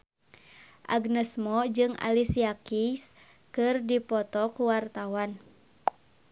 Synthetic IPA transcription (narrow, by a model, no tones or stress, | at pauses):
ʔaɡnəsmɔd͡ʒɨŋa̰lisiakis | kɨrdipɔt̪ɔkuwart̪awan